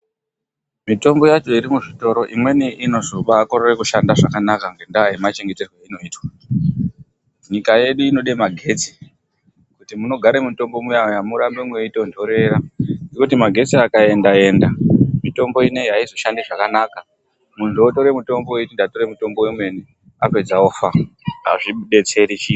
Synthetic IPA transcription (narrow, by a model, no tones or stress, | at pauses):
mito̞mbo̞jat͡ʃo̞iɾimuʐito̞ɾo̞ʔimwe̞niʔino̞ʐuɓaːkoɾerekuʃandaʐakanakaŋɡe̞ndaajimat͡ʃe̞ŋɡe̞te̞rweino̞iːtwa | ɲikaje̞ɗuino̞ɗemaɡʱe̞t͡si̥ | kutimuno̞ɡʱaɾe̞muto̞mbo̞mujaojamuɾambemweitondo̞ɾe̞ɾaŋɡekutimaɡʱe̞t͡siakae̞ndae̞ːndamito̞mbo̞ine̞ɦaizo̞ʃandiʐakanaka | munoto̞ɾe̞muto̞mboeitindato̞ɾemuto̞mbo̞wemwe̞ni | ape̞d͡zaofaɦa̰ʐiɓe̞t͡se̞ɾiʃi